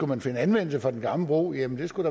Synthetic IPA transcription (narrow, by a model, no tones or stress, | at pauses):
umænfe̝nəænʋen̰l̩səfʁɒd̥enɡ̥ɑ̈ml̩əb̥ʁo̰ːjæmən̩d̥e̝sɡ̥ud̥ɑ̈